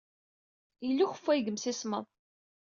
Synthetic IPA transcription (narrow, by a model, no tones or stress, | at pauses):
ilːuçəfːæjɡəmsisməðˤ